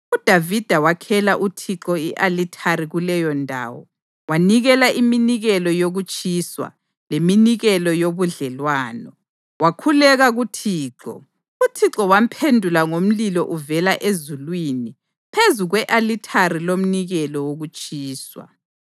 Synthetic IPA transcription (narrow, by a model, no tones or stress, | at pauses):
ud̥ʱavid̥ʱawakʰɛlaʔutʰiǁɔiʔalitʰaɾiɣulɛjɔndʱa̰ːwɔ̰ | waniɣɛlaʔiminiɣɛlɔjoɣut͡ʃʼiswa̰ | leminiɣɛlɔjoβuɮɛlwaːnɔ | wakʰulɛɣaɣutʰiːǁɔ̰ | utʰiǁɔwam̩pʰendʱulaŋom̩lilɔʔuvɛlaʔezulwini | pʰezuɣwɛʔalitʰaɾilom̩niɣɛlɔwoɣut͡ʃʼiːswa̰